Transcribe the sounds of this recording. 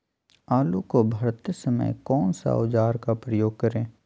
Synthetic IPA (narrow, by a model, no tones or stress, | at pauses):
aːlukobʱɐɾt̪əsəmə̰jkɔːnsa̰ʊd͡ʒaːɾkapɾəjoːɡ̚kɐɾẽː